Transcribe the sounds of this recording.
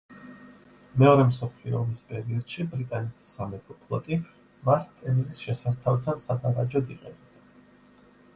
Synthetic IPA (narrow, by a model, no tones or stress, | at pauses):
mɛɔɾɛmsɔpʰliɔ̰mispʼɛɾiɔd̪̥ʃibɾit̪ʼanɛt̪ʰi̥samɛp̪ʰɔpʰlˠɔt̪ʼi | mast̪ʼɛnzisʃɛsaɾt̪ʰavt̪ʰansad̪aɾad͡ʒɔd̪iqʼɛ̰nɛbd̪̥a